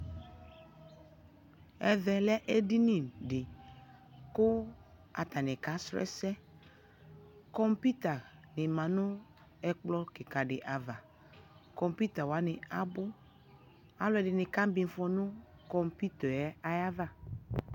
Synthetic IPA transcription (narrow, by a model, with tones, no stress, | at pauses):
ɛ˨ðɛ˨lɛ˦ʔe˦di˦nĩ˨ɖɪ˨ | kʊ˦ | a̰˨t̪a˨nɪ̃˨ka˨˦sɾɛ̰˦sɛ˦ | kɔ˦mpi˦t̪a˨nɪ˨mã˨nʊ̃˦ | ɛ˨k͡plɔ˦kɪ˨ka˨ɖɪ˨ʔa˨va˨ | kɔ˨mpi˦t̪a˨wa˨˦nɪ˨a˨bʊ˦ | a˦lɔ˦ɛ˨dɪ˨nɪ˨ka˦m˦bi˨n˦fɔ˦nʊ̃˦ | kɔ˦mpi˦t̪ɔ˨ɛ˦a˦ja˦va˦